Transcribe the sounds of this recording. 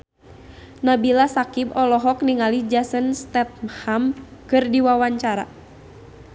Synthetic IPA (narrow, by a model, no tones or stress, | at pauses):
nabilasakibɔlɔɦɔk̚niŋalid͡ʒasənst̪ɛt̪̚mhamkɨrdiwawaɲt͡ʃaɾa̰